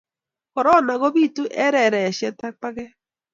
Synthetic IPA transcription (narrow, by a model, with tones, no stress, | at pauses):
kɔ˨ɾɔ˦na˨ɣo˦βi˦tu˦ʔɛ˦ɾɛ˨ɾɛ˨ʃɛ˦ta˦k͡pa˦ɣɛ˦